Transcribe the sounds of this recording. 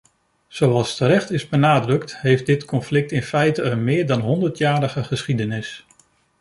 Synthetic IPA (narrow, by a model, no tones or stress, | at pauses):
z̥owɑlˠstəɾɛχtɪzbənaːdrɵktɦejfdɪtkɔnflɪk̚tɪnfɛjtəənmɪːɹdɑnɦɔndəɹtjaːɾəχəχəsχidənɪs